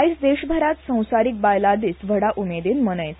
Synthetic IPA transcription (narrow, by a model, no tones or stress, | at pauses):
isd̪eɕbʱəɾat̪sə̃w̃saɾik̚bajlad̪iːt͡sʋʱəɽaʔumed̪iːnmənəjt̪